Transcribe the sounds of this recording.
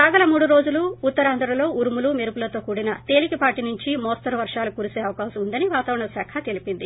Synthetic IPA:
saːɡɐlɐmuːɽuɾo̞ːd͡ʒuluːt̪ːɐɾaːnd̪ʱɐɾɐlo̞ːuɾumulumeɾupulɐt̪o̞ːkuːɽinɐt̪e̞ːlikipaːʈinuɲt͡ʃimɔːst̪ɐɾuʋɐɾʂaːlukuːɾuseːɐʋɐkaːʃɐmund̪ɐniʋaːt̪aːʋɾɐɳɐsaːkʰɐt̪e̞lipind̪i

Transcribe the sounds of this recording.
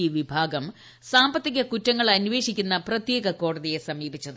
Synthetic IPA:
iʋibʱaːɡɐm | saːmbɐt̪ːiɣɐkutːɐŋːɐɭɐnːuʋe̞ːɕikʲːunːɐprɐt̪jeːɡɐko̞ːɽɐðije̞sɐmiːbit͡ɕːɐðɨ

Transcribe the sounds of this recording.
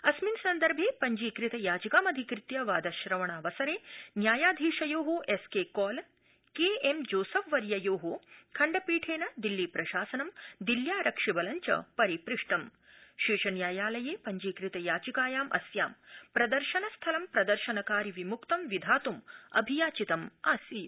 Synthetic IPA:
ɐsminsɐnd̪ɐɾbʱeːpɐɲd͡ʒiːkɾɪt̪ɐjaːd͡ʒikaːmɐd̪ʱikɾɪt̪jɐʋaːd̪ɐʃɾɐʋɐɳaːʋɐsɐɾeːnjaːjaːd̪ʱiːʂɐjoːɦoʔeskeːkɔːl | keːemd͡ʒoːsɐʋʋɐɾjɐjoːɦokʰɐɳɖɐpiːʈʰeːnɐd̪ilːiːpɾɐʃaːsɐnɐmd̪iljaːɾɐkʂibɐlɐɲt͡ʃɐ̰pɐɾipɾɪʂʈɐm | ʃiːʂɐnjaːjaːlɐjeːpɐɲd͡ʒiːkɾit̪ɐjaːt͡ʃikaːjaːmʔɐ̰sjaːmpɾɐd̪ɐɾʃɐnɐst̪ʰɐlɐmpɾɐd̪ɐɾʃɐnɐkaːɾiʋimukt̪ɐmʋid̪ʱaːt̪umɐ̰bʱijaːt͡ʃit̪ɐmaːsiː

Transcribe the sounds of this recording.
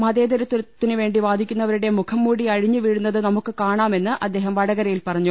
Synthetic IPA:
mɐðeːd̪ɐɾɐt̪ːuɾɐɐt̪ːinɨʋe̞ːɳɖiʋaːd̪ʱikʲːunːɐʋɐɾuɽe̞mukʰɐmːuːɽiɐɻiɲːɨʋiːɻunːɐðɨnɐmukːɨkaːɳaːme̞nːɨʔɐd̪ːe̞ːɦɐmʋɐɽɐɣɐɾɐjilpɐrɐɲːu

